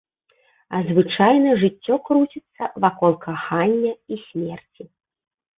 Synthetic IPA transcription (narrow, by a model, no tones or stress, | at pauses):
ɐzvɨt͡ʂajnɐʐɨtʲːɔkɾut͡sʲit̪sːɐvakɔlˠkʰaxanʲːɐisʲmʲɛrt͡sʲi